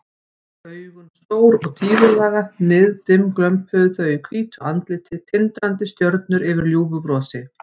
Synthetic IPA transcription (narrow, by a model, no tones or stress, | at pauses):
œːɥɣʏnst̪oːwɾɔɣt̪ʰiːðʏlaːɣanɪðt̪ɪmklœmphœðʏθœːɥjʏkʰviːt̪ʰʏant̪lɪːt̪ʰɪt̪ʰɪnt̪ɾant̪ɪst̪jœɾt̪nʏɾɪvɪɾljuːvʏpɾɔːsɪ